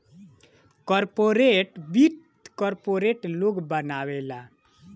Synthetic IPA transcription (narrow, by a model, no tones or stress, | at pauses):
kɔɾpoɾeʈbit̪kɔɾpoɾeʈloɡbənawela